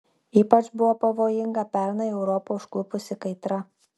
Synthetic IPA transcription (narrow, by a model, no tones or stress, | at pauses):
iːpɐt͡ʃbʊʋoːpɐʋoːjɪŋɡɐpʲɛˑɾnɐɛʊɾɔpoːʊʃklˠʊpʊsʲɪkɐɪt̪ɾɐ